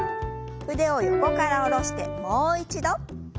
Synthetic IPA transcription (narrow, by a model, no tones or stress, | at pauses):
ɸɯ̟d̪e̞o̞joko̞kaɾaoɾo̞ɕi̥t̪e̞̰moːit͡ɕid̪o